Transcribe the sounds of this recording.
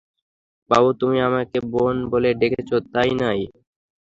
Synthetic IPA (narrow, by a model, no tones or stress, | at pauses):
babut̪umiamakebonboleɖekʰet͡ɕʰot̪ajnaj